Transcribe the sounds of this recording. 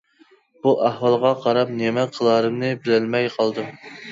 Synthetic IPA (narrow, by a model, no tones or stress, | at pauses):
b̥uʔæhwɑlˠʁɑqʰɑɾɑp̚nemɛqʰːəlˠɑɾɨmnɨbɪlɪlmɛjqʰɑlˠd̪ɨ